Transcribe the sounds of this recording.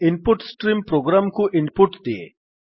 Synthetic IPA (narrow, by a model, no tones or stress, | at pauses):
ɪnpuʈsʈɾimpɾoːɡɾamkuʔɪnpuʈd̪iḛ